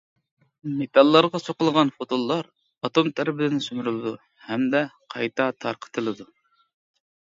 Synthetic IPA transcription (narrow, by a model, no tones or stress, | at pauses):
met̪ʰɑlˠːɑɾʁɑsoqəlˠʁɑnfot̪olˠːɑɾ | ɑt̪omt̪ʰæɾɪbɪd̪ɪnɪsymɾylˠɨd̪u | hɛmd̪ɛqʰɑjt̪ʰɑt̪ʰɑɾqʰə̥t̪ʰɨlˠɨd̪u